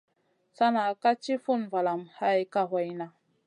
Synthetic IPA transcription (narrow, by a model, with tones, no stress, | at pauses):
sa˦na˨ka˦t͡ʃi˦fu˦˨nva˨la˨mha˦jka˦ɦo˨jna˨